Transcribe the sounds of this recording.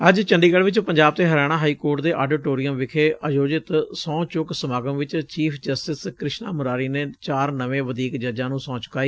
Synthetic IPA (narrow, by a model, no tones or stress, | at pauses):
əd͡ʒt͡ʃəɳɖiːɡəlʋɪt͡ʃpəɲd͡ʒaːb̚t̪eːɦəɾɛːɽ̃ãːɦaːiːkoːɾʈd̪eːʔaːɖɪʈoːɾɪjəmʋɪkʰeːʔəjoːd͡ʒɪt̪sɔ̃ːt͡ʃʊksəmaːɡəmʋɪt͡ʃt͡ʃiːpʰd͡ʒəsʈɪskɾɪʃna̰ːmʊɾaːɾiːneːt͡ʃaːɾnəʋẽːʋəd̪ʱiːkd͡ʒəd͡ʒãːnũːsɔ̃ːt͡ʃʊ̥kːaːiː